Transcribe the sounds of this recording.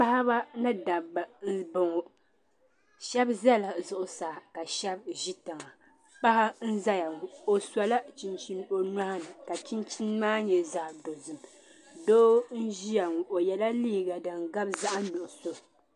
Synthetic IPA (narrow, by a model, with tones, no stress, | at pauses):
pa˦ha˦ba˦nɨ˦da˨ba˨n̩˦bo˦ŋo˦ | ʃɛ˦bza˦la˨zʊ˨ʔʊ˨sa˨ka˨ʃɛ˦bʒi˦ta˨ŋa˨ | pa˦ha˦n̩˦za˦ja˨ŋu˨o˦sa˨la˦t͡ʃi˦nt͡ʃi˦n˦o˦n˦a˦ha˦nɨ˨ka˨t͡ʃi˦nt͡ʃi˦n˦maː˦ɲɛ˨zaː˨do˨zɨ˨m | doː˦n̩˦ʒi˦ja˨ŋu˨ʔo˨jɛ˨la˦liː˦˨ɡa˨dɨ˨ŋ˨ɡa˦bza˦ʔa˦nʊ˨ʔʊ˨so˦